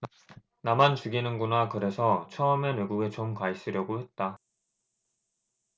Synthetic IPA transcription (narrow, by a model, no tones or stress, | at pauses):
namant͡ɕuɡinɯnɡunakɯɾe̞sʰʌt͡ɕʰʌme̞nwe̞ɡuɡe̞t͡ɕomkais͈ɯɾjʌɡohe̞t̚t͈a